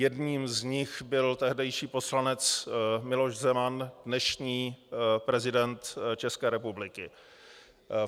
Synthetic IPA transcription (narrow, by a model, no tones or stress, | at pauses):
jɛdɲiːmzɲɪxbɪlt̪ɛɦdɛjʃiːpo̞slanɛt͡smɪlo̞ʃzɛmandnɛʃɲiːpɾɛzɪdɛnt̪t͡ʃɛskɛːɾɛpublɪkɪ